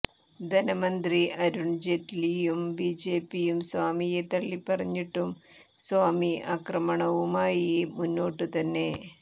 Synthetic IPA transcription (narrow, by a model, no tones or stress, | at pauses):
d̪ʱɐnɐmɐnd̪riʔɐɾuɳd͡ʑetlijumbiːd͡ʑe̞ːpːijumsʋaːmijet̪ɐɭːipːɐrɐɲːiʈːum | sʋaːmiaːkrɐmɐɳɐʋumaːjimunːo̞ːʈːɨt̪ɐnːe̞